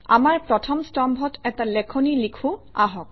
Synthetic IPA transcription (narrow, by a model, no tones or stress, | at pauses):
a̰maɹpɹɔtʰɔmstɔmbʱɔtɛtalɛkʰonilikʰʊaɦɔk̚